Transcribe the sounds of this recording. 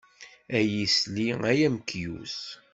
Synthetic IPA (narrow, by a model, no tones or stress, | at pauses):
æjisliæjæmkːjṵs